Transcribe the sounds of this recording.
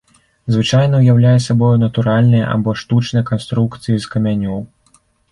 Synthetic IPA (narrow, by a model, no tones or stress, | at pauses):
zvɨt͡ʂajn̪ɐwjawlʲajɛsʲabɔjunɐt̪uɾalʲnɨjɐ̰ʔa̰bɔʂt̪ut͡ʂnɐjɐkanst̪ɾukt̪sɨjiskɐmʲanʲɔw